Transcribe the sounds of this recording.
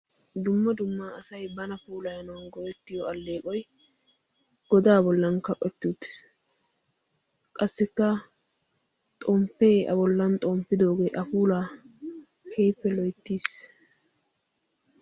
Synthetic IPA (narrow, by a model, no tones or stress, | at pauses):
d̪ʊmːɐd̪ʊmːaːɐsɐjbɐnɐpuːlɐjɐnɐwɐnɡɔwɛt̪ːɪjɔɐlːe̞ːkʼɔj | ɡ̥ɔd̪aːbɔlːɐnkɐkʼɛt̪ːuːt̪ːɪ̥s | kʼɐsːɪkːɐ | t̪ʼoːmpːeːɐ̰bɔlːɐnt̪ʼoːmpːɪd̪o̞ːɡeːʔɐpuːlaː | kʰeːpːɛlɔjt̪ːiːs